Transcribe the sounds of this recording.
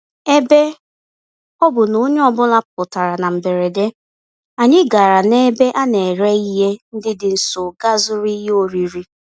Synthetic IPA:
e˦be˦ | ɔ˦bʊ˨no˦ɲe˦ɔ˦bʊ˦la˦pʊ˨ta˨ɾa˨na˨m̩˨be˨ɾe˨de˦ | a˨ɲɪ˦ɡa˨ɾa˨ne˦be˦ʔa˦ne˨ɾe˦i˦ɦe˦n̩˦dɪ˦dɪ˨n̩˨sʊ˨ɡa˦zʊ˦ɾi˦ɦe˦o˦ɾi˨ɾi˦

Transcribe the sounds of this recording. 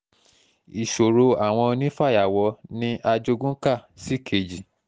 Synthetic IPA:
i˨ʃo˨ɾo˧a˨w̃ɔ̃˧nĩ˦fa˦˨ja˨wɔ˧˦nĩ˦ʔa˧d͡ʒo˧ɡũ˦ka˦˨si˦kʰe˨d͡ʒi˨

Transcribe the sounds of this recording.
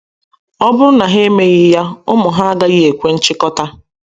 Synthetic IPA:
ɔ˦bʊ˦ɾʊ˦na˨ɦe˦me˦ɣɪ˦ja˦ʊ˦mʊ˨ɦa˦a˦ɡa˦ɣɪ˦e˨kʷe˦n̩˦t͡ʃɪ˦kɔ˦ta˦

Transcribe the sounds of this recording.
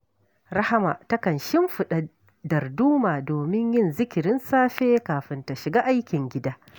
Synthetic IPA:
ɾa˦ha˦ma̰ː˨ta˦kɐ˨nʃɪ˦mɸɪ˨ɗa˨ | dɐ˨rduː˦maː˨doː˨mɪ˦ɲjɪ˦nzɪ˦kʲɪ˨ɾɪ˦nsaː˦ɸeː˦kaː˨ɸɪ˨˦nta˨ʃɪ˨ɡaː˦ʔa˦jkʲɪ˨ŋɡʲɪ˦daː˦

